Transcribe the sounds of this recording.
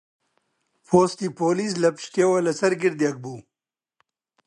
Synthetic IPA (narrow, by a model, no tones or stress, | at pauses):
poːst̪ipoːlis̬lɐpɕʈ̪ewɐlɐsɐɾɡiɾd̪iɐɡ̚buː